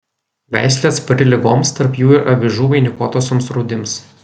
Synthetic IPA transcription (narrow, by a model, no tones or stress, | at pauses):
ʋʲæ̰ˑɪsʲlʲeːspɾʲɪlʲɪɡoːmst̪ɐɾpjuːɪɾʔɐbʲɪʒuːʋɐɪnʲɪkoːt̪oːsʲomsɾuːd̪ʲɪms